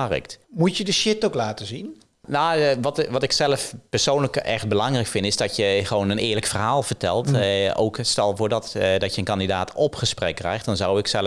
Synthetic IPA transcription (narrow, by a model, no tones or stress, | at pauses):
rɪ̰ktmutjədəʃɪtoklaːtəzin | naʋɑtʋɑtɪksɛləfpəɹsownləkɛ̰χd̚bəlɑŋrɛjkfɪndɪzdɑtjəχəʋownənɪːɹləkfərɦaːlˠvəɹtɛlˠto̰wkstɛlˠvʊːɹdɑtdɑtjənkɑndidaːtʰɔpχəsprɛkːrɛ̰jχt̚d̥ɑnzɑwɪksɛl